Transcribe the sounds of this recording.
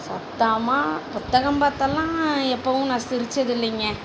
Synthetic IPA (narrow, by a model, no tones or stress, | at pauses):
sɐt̪ːaːmaːpʊt̪ːɐɣɐmpaːt̪ːɐlːãːɛpːɐʋʊ̃nãːsɪɾɯt͡ʃːɐðɪlːɪŋɡɐ